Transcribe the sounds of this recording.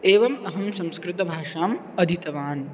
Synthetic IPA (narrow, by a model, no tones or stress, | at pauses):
eːʋɐmɐɦɐmsɐ̃mskɾɪt̪ɐbʱaːʂaːm | ɐd̪ʱit̪ɐʋaːn